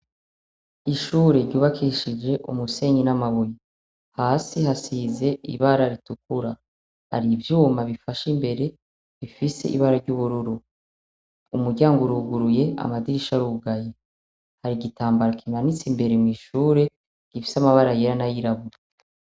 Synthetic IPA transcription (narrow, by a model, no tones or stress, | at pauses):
iʃuːɾe̞ɾɟuːβakʰiʃid͡ʒe̞ʔumuse̞ɲinamaβuji | haːsihasiːze̞ḭβaɾaɾituk̚uɾa | ha̰ɾivjuːmaβifaʃimbe̞ɾe̞ | βifise̞̰ʔḭβaɾaɾɟuβuɾuɾu | umuɾɟaːŋɡoɾuɡuɾuje̞a̰madiɾiʃaɾuɡaje | haɾiɡitaːmbaɾakʰinanit͡simbe̞ɾemwiːʃuːɾe̞ | ɡ̥ifi̥samaβaɾajeɾanajiɾaβu